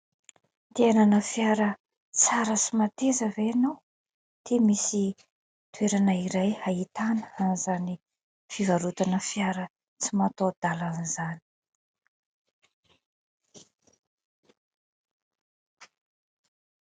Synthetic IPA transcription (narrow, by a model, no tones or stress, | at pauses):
t̪eananəfiaɾə | t͡saɾət͡simat̪ezəveanow | d̪̥emisi | t̪weɾanaiɾajhait̪anə̥anizani | fivaɾut̪anəfijaɾə | t͡simat̪od̪̥alanizani̥